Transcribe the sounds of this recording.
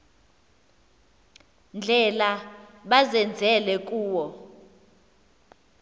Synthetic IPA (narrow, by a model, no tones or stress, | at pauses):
nd͡ɮʱɛlaɓazɛnd͡zʱɛlɛk̬ʼuːwɔ